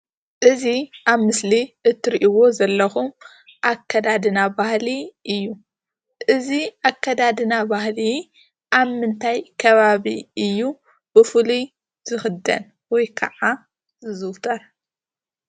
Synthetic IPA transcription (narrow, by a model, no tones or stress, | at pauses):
ʔɨziʔaβmɨsliʔɨt̪ʰːɨɾiʔiwo̞zɐlːɐxum | ʔakʰːɐd̪ad̪ɨnabahliʔɨjːu | ʔɨziʔakʰːɐd̪ad̪ɨnabahli | ʔaβmɨnt̪ʰajkʰɐβaβiɨjːu | b̥ɨfɨlu | z̥ɨxɨd̪ɐ̰n | wɔjkʰɐ̰ʕa | zɨzɨwt̪ʰɐɾ